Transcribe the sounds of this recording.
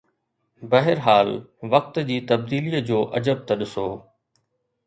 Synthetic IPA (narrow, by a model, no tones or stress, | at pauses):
bɐɦɪɾɦaːlʋɐk̚t̪d͡ʑiːt̪ɐb̚d̪iːlijəd͡ʑoːʔɐd͡ʑəb̚t̪ɐɗɪsoː